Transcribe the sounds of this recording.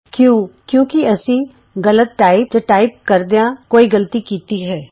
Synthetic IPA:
kjõːkjõːkiɐsĩ | ɡɐlət̪̚ʈaːɪp̚d͡ʒoʈaːɪp̚kɐɾd̪ejãkoːiɡɐlt̪ikiːt̪iɦɛː

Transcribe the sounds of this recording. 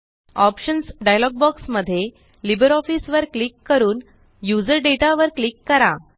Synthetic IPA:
ɔpɕənsɖajlɔɡ̚bɔksməd̪ʱːje | libəɾɔfisʋəɾklikːəɾuːn | jud͡zəɾɖeʈaʋəɾklikːəɾa

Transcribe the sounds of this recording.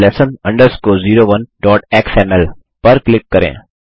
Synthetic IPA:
lɛsənɐ̃ɳɖəɾskoːziːɾoːʋɐnɖɔːʈeːkseːmɛl | pɐɾklɪkːɐɾḛ̃ː

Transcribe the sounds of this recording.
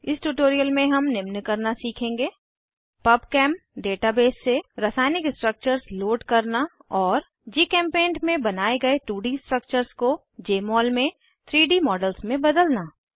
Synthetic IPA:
ɪsʈuʈoːɾijəlmẽɦɐmnɪmnkɐɾnasiːkʰẽːŋɡeː | pɐbkɛ̃ːmpɖeːʈabeːsːeɾɐsaːɪnɪksʈɾək̚t͡ʃəɾsloːɖkɐɾnaɔːɾ | d͡ʒiːkɛ̃ːmpẽːɳʈmẽbɐnaːeɡɐeʈuːɖisʈɾək̚t͡ʃəɾsko | d͡ʒeːmɔːlmẽ | t̪ʰɾiːɖiːmɔːɖəlsmẽbɐd̪əlnaː

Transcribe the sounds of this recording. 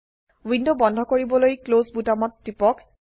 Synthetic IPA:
windobɔndʱɔkoɹibɔlojklozbutamɔtːipɔk

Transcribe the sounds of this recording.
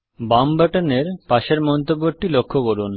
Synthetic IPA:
bambaʈaneɾpaʃeɾmɔnt̪obːoɾʈilokʰːokoɾun

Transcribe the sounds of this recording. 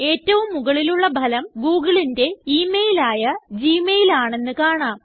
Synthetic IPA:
e̞ːtːɐʋumːuɣɐɭiluɭːɐbʱɐlɐmɡuːɡɐɭinde̞iːmejilaːjɐd͡ʑiːmejilaːɳe̞nːɨkaːɳaːm

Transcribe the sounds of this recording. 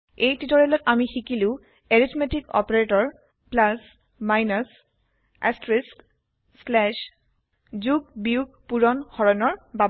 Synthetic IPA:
ejtitɔɹɛlɔtamixikilʊ̃ | eɹitʰmetikɔ̰paɹetɔɹ | plas | majnas | a̰stɹiskː | lɛʃ | zuɡ̚biuɡ̚puɹɔnxɔɹɔnɔɹba

